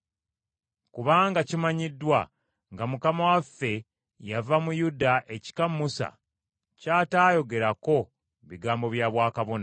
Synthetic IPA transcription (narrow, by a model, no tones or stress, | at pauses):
kuβaːŋɡacimaɲidːwa | ŋɡamukamawafːe̞ | javamujudaʔe̞ci̥kamːusa̰ | caːtaːjo̞ɡe̞ɾako̞ | βiɡaːmbo̞βjaːβwaːkaβo̞na